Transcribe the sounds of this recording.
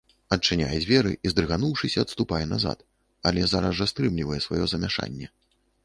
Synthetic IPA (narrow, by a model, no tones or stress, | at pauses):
ɐt͡ʂːɨnʲa̰jɛd͡zʲvʲɛɾɨ̰ʔizd̪ɾɨɣanuwʂɨsʲɐɐt̪st̪upajɛnaza̰t̪ | ɐlʲɛzaɾɐzast̪ɾɨmlʲivɐjɛsvajɔzɐmʲaʂa̰nʲːɛ